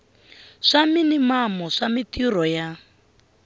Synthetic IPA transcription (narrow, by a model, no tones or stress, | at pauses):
ʂaminimamɔʂamitirɔja